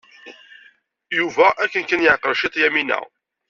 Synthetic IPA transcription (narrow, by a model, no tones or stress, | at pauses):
juvæʔækːənkənjəʕqəɾʃit̪ˤjæminæ̰